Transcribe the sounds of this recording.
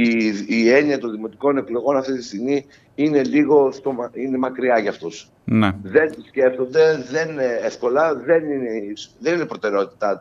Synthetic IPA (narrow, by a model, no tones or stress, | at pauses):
iːe̞niɐt̪o̞nðimo̞t̪i̥ko̞ne̞klo̞ɣo̞nɐft̪it̪ist̪iɣmi | ine̞liɣo̞st̪o̞mɐine̞mɐkɾiɐʝɐft̪o̞s | neðe̞nt̪usce̞ft̪o̞nd̪e̞ðe̞nneefko̞lɐðe̞nineisðe̞ninepɾot̪e̞ɾeo̞t̪i̥t̪ɐ